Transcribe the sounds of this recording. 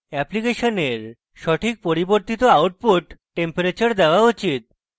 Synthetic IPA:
ɛplikeʃoneɾ | ʃɔʈʰik̚poɾiboɾt̪it̪oawʈ̚puʈʈempoɾet͡ɕɔɾd̪ɛʋaut͡ɕit̪̚

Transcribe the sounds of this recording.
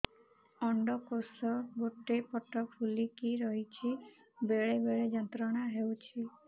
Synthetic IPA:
ɔɳɖɔkosɔɡoʈːepɔʈɔkfʰulikiɾɔɦit͡ʃʰi | beɭebeɭed͡ʒɔnt̪ɾɔɽ̃aɦewt͡ʃʰi

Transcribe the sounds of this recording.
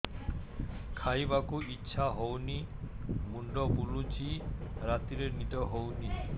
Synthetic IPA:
kʰajbakuʔitːɕʰaɦowni | muɳɖɔbulut͡ɕiɾat̪iɾeɾnit̪oɦowni

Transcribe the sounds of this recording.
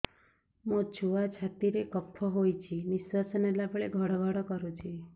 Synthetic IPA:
mõt͡ʃʰuʋat͡ʃʰat̪iɾekɔpʰːɔɦojt͡ʃʰiniswasənelabɭeɡʱɔɽɔɡʱɔɽɔkɔɾut͡ʃʰi

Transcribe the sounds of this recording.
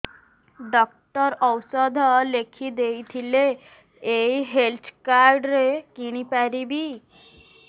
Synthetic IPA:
ɖɔk̚ʈəɾɔwsɔd̪ʱəlekʰid̪eit̪ʰile | eiɦelt̪ʰkaɾɖɾekiɽ̃ipaɾibʱi

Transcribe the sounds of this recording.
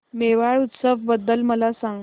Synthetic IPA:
meʋaɭut̪səʋbəd̪ːəlməlasãŋɡ

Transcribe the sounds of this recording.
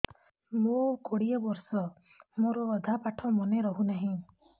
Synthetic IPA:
mõkoɽijɔbɔɾsɔ | moɾɔːd̪ʱapaʈʰɔmɔneɾɔɦunaɦĩ

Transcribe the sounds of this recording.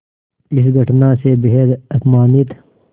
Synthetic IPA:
isɡɐʈnaːsebeɦeɾɐt̪maːnit̪

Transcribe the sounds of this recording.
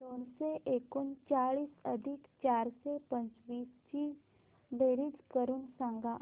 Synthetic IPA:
oːnseʔeːkunt͡ʃaːɭiːsəd̪ʱikt͡ʃaːɾsepə̃ɲt͡ʃʋiːst͡ʃiː | ɖeːɾid͡ʒkəɾunsãːŋɡa

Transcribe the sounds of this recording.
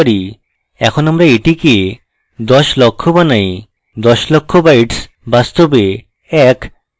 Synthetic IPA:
ɾi | ɛ̰kʰonamɾaeʈike | d̪ɔʃlɔkʰːobanaj | d̪ɔʃlɔkʰːobajʈs | bast̪obe | ɛk

